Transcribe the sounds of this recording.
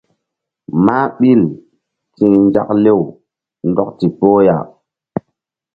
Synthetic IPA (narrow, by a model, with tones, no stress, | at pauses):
maː˦ɓi˦˨l | tĩ˨ŋnd͡ʒa̰˦kle˦w | ndɔ˦kti˨po˦ja̰˨